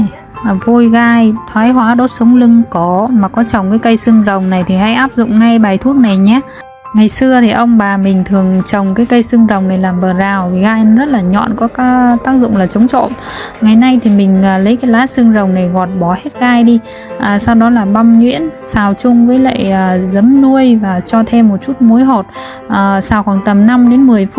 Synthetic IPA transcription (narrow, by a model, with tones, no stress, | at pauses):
vo˧jɣaː˧jt̪ʰwaː˨˦jɦwaː˨˦ɗo˦˥t̚sə˨˦wŋ͡mlɨ˧ŋkɔ˨˦maː˨˩kɔ˨˦t͡ɕə˨˩wŋ͡mkaː˨˦jkə˧jsɨ˧ŋzə˨˩wŋ͡mna˨˩jt̪ʰi˨˩ha̰˧˥jʔaː˦˥p̚zʊ̰˧˨ŋ͡mŋa˧jɓaː˨˩jt̪ʰu˦˥ək̚na˨˩jɲaː˨˦ | ŋa˨˩jsɨ˧ət̪ʰi˨˩ʔə˧wŋ͡mɓaː˨˩mï˨˩ŋ̟t̪ʰɨ˨˩əŋt͡ɕə˨˩wŋ͡mkaː˨˦jkə˧jsɨ˧əŋzə˨˩wŋ͡mna˨˩jlaː˨˩mɓəː˨˩zaː˨˩wvi˨˩ɣaː˧jzə˦˥t̚laː˨˩ɲɔ̰˧˨nkɔ˨˦ka˨˦t̪aː˦˥k̚zʊ̰˧˨ŋ͡mlaː˨˩t͡ɕə˨˦wŋ͡mt͡ɕo̰˧˨nŋa˨˩jna˧jt̪ʰi˨˩mï˨˩ŋ̟ə˨˩lə˨˦jkaː˨˦jlaː˨˦sɨ˧ŋzə˨˩wŋ͡mna˨˩jɣɔ˨˩t̚ɓɔ˨˩he˦˥t̚ɣaː˧jɗi˧ | ʔəː˨˩sa˧wɗɔ˨˦laː˨˩ɓa˧mɲwḭ˧˥ənsaː˨˩wt͡ɕʊ˧ŋ͡mvəː˨˦jla̰ː˧˨jəː˨˩zə˨˦mnu˧əjvaː˨˩t͡ɕɔ˧t̪ʰe˧mːo˨˩t̚t͡ɕu˦˥t̚mo˨˦jɦo˨˩t̚ | ʔəː˨˩saː˧˩wxɔː˨˩ŋt̪ə˨˩mna˧mɗe˨˦nmɨ˨˩əjf